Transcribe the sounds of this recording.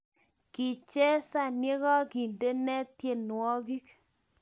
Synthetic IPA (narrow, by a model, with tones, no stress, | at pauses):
ki˨t͡ʃɛ˦sa˦˨nje˦ɣɔ˦ki˨nde˦nɛ˦tje˨nwɔ˦ki˦k